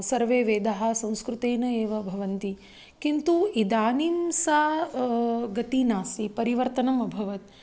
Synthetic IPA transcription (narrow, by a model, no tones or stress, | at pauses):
sɐɾʋeːʋeːd̪aɦɐ̆sɐ̃w̃skɾut̪eːnɐeːʋɐbʱɐʋɐnt̪i | kint̪uid̪aːnimsaː | ɡɐt̪inaːsipɐɾiʋɐɾt̪ɐnɐmɐbʱɐʋɐt̪̚